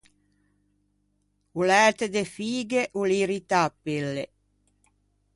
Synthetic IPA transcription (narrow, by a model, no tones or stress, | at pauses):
ulɛːt̪ed̪efiːɡeʔuliɾit̪apːilːe